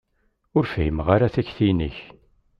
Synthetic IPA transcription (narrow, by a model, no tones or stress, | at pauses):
ʊɾfhimʁaɾaθæçθiniç